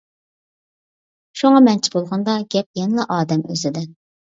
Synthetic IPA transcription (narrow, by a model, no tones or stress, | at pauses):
ʃuŋɑmɛnt͡ʃʰi̥bolˠʁɑnd̪ɑɡʲɛp̚jɛnɪlɛʔɑːd̪ɛmøzɪd̪ɪ